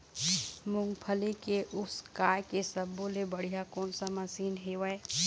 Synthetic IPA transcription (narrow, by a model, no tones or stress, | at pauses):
mʊ̃ŋɡpʰəlikeʔʊskaːjkesəbːoːlebəɽ̤ijakɔːnsaməsiːnɦeʋəe